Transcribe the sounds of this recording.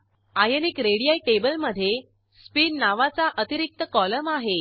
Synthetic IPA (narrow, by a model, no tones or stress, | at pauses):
ajənikɾeɽijaiʈebəlməd̪ʱːje | spiːnnaʋat͡saʔət̪iɾik̚t̪əkɔləmaɦe